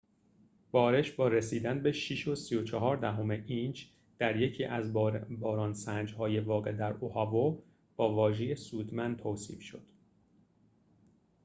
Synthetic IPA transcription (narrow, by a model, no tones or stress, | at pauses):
b̥ɒːɾe̞ʃbɒːɾesiːd̪ænbe̞ʃiʃo̞sijot͡ʃʰɒɦɒːɾd̪æɦo̞me̞ʔind͡ʒ | d̪̥æɾje̞cʰiːʔæzbɒːɾɒːnsænd͡ʒhɒːje̞vɒːɣe̞d̪æɾohɒvo | b̥ɒːvɒːʒeje̞suːd̪mænt̪ʰoːsḭːfʃo̞̰d̪̥